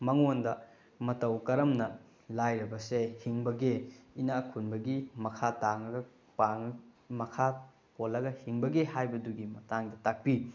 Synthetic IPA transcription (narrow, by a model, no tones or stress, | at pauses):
mɐŋondɐ | mɐtɐwkɐɾɐmnɐ | lajɾɐbɐsehiŋbɐɡeinakʰunbɐɡimɐkʰataŋɐɡɐ | paŋ | mɐkʰa | polːɐɡɐhiŋbɐɡeɦajbɐduɡimɐtaŋdɐtak̚pi